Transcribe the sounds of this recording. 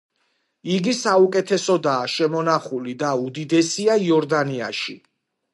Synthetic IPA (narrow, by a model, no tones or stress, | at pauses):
iɡisaukʼɛt̪ʰɛsɔd̪aːʃɛmɔnaχulid̪aud̪id̪ɛsiaiɔɾd̪ania̰ʃḭ